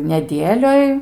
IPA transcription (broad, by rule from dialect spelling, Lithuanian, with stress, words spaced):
nʲɛˈdʲiɛlʲoːj